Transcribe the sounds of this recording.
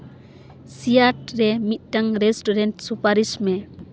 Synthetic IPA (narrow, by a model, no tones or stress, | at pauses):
sijat̚ɾɛmit̪̚ˀtaŋɾɛsʈuɾɛntsupaɾismɛ